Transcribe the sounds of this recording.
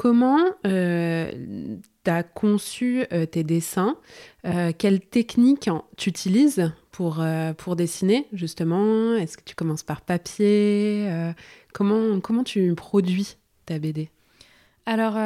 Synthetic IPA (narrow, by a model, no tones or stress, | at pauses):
kʰɔmɑ̃ø | t̪yakʰɔ̃syøt̪ed̪esɛ̃økʲɛlt̪ɛknikʲt̪yːt̪ʰilizpʰuʁøpʰuʁd̪esineʒyst̪əmɑ̃ɛskə̥t̪ʰy̥kɔmɑ̃spaʁpapjeøkɔmɑ̃kɔmɑ̃t̪ypχɔd̪ɥi | t̪abed̪e | alɔʁ